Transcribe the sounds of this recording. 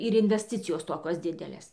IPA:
ɪr ɪnʲʋʲɛsʲˈtʲɪt͡sʲɪjoːs ˈtoːkʲoːs ˈdʲɪdʲɛlʲeːs

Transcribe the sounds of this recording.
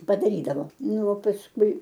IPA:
pɐdɐˈrʲiːdɐʋoː ˈnʊ oː pɐsˈkʊɪ

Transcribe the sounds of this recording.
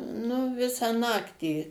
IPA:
nʊ ˈʋʲɪsɑː ˈnɑːktʲiː

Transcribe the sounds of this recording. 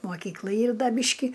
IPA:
moːˈkʲiːklˠɐ ˈiːr ˈdɐ ˈbʲiːʃʲkʲɪ

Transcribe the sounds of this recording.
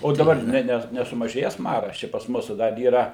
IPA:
oː dɐˈbɐr ˈnʲɛ ˈnʲɛ nʲɛsʊmɐˈʒʲeːjɛs ˈmɑːrɐs ˈt͡ʃʲɛ pɐs ˈmuːsʊ dɐr iːˈrɐ

